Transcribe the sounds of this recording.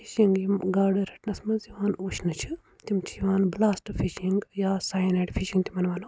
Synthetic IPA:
fʰiʃiŋɡjimɡaːɽɐɾɐʈnɐsmɐnziʋaːnuːʃnɨt͡ʃʰi | t̪imt͡ʃʰijiʋaːnblaːsʈfiʃiŋɡjaːsaːjneːʈfʰiʃĩŋɡt̪imɐnʋaːn

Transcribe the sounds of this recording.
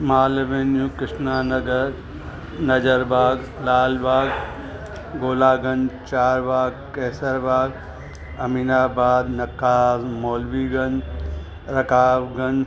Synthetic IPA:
maːlʋeːnjũːkɪʃnaːnɐɡəɾ | nɐd͡ʒəɾbaːɡlaːlbaːɡ | ɡoːlaːɡɐnt͡ʃaːɾbaːɡkɛːsəɾbaːɡ | ɐmiːnaːbaːd̪nɐkaːzmoːlʋiːɡɐn | ɾɐkaːbɡɐn

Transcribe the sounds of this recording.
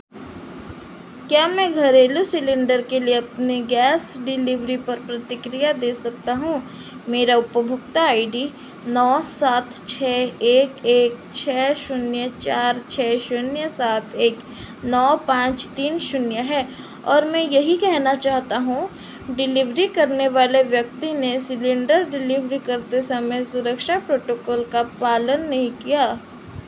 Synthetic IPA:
kjaːmɛ̃ɡʱɐɾeːlusɪlɪ̃ɳɖəɾkelieɐpniɡɛːsɖɪlɪʋɾipɐɾpɾɐt̪ɪkɾijad̪eːsɐk̚t̪aɦũ | meːɾaʊpəbʱʊkt̪aaːɪɖi | nɔːsaːt̪ʰt͡ʃʰɛːeːkeːk̚ | t͡ʃʰɛːʃʊnjət͡ʃaːɾt͡ʃʰɛːʃʊnjəsaːt̪ʰeːk | nɔːpãːt͡ʃt̪iːnʃʊnjəɦɛː | ɔːɾmɛ̃jɐɦikɛɦnat͡ʃaːɦt̪aɦũ | ɖɪlɪʋɾikɐɾneʋaːleʋjɐk̚t̪inesɪlɪ̃ɳɖəɾɖɪlɪʋɾikɐɾt̪esɐməjsʊɾəkʃapɾoːʈoːkɔːlkapaːlənːɐɦĩkijaː

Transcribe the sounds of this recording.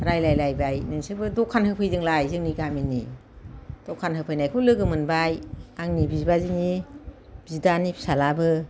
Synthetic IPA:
ɾajlajlajbajnɯŋsɯbɯdɔkʰːanhɯpʰɯjzɯŋlajzɯŋniɡaminːḭ | d̥ɔkʰanɦɯpʰɯjnajkʰulɯɡɯmɯnbajaŋnibizbazɯni | b̥izdanipʰi̥salabɯ

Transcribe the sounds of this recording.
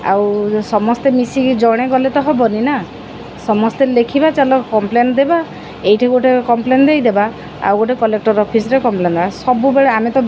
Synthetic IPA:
a̰wsɔmɔst̪emisiɡd͡ʒɔɽ̃eɡɔlet̪ɔɦɔbɔnina | sɔmɔst̪elekʰibat͡ʃalɔkɔmplend̪eba | ejʈʰaɡoʈʰekɔmplend̪ejd̪eba | a̰wɡoʈekɔlek̚ʈɔɾɔpʰisɾekɔmplend̪ebasɔbubeɭeamet̪ɔ

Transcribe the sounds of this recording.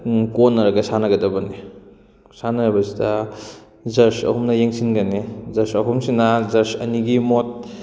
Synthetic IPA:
konːɐɾɐɡɐsanɐɡɐdɐbɐni | sanɐɾɐbɐsida | zɐɾsɐ̰humnɐjeŋsinɡɐnezɐɾsɐɦumsinazɐɾsɐ̰niɡimot̚

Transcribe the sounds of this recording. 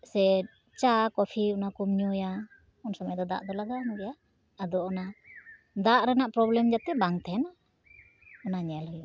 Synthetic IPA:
sɛ | t͡ʃakɔpʰiɔnakumɲɔja | ɔnsamajd̪ɔd̪a̰ʔd̪ɔlaɡanɔɡɛjaː | d̪ɔːna | d̪aʔɾɛnaʔpɾɔblɛmd͡ʒat̪ɛbaŋt̪ʰɛna | ɔnaɲɛlɔjuʔ

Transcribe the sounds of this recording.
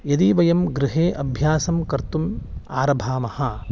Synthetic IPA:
jɐd̪iʋɐjɐmɡɾɪɦeːʔɐbʱjaːsɐmkɐɾt̪umaːɾɐbʱaːmɐhɐ

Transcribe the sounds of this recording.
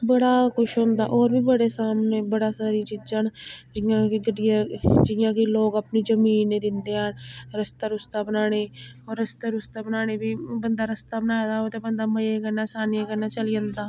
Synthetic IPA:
bəɽaːkʊʃɦõnd̪a̰ːʔoːɾbiːbəɽeːsaːmneːbəɽaːsaːɾiːt͡ʃid͡ʒaːnd͡ʒɪjãːkiɡəɖijad͡ʒɪjãːkɪloːkəpniːd͡ʒəmiːnːẽːd̪ɪnd̪eːɦãːnɾəst̪aːɾʊst̪aːbənaːɽ̃eːɾːəst̪aːɾʊst̪aːbənaːɽ̃eːbiːbənd̪aːɾəst̪aːbənaːd̪aːot̪eːbənd̪aːməjeːkəɾnaːsaːnijakəɾnaːt͡ʃəlɪjãːnd̪aː

